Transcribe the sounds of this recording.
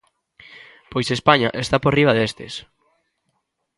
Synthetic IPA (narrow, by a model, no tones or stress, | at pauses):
pojsespaɲaʔest̪aporiβ̞aðest̪ḛs